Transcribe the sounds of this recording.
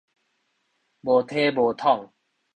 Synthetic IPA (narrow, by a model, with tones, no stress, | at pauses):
bo˨˩t̪ʰe˦bo˨˩t̪ʰɔ˥˨ŋ